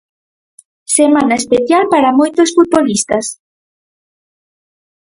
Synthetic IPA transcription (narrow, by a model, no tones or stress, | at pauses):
semãnɐespeθjalpaɾɐmojt̪osfut̪̚βolist̪ɐs